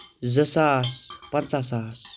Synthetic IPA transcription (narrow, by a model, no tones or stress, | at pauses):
zəsaːspənt͡sas̬aːs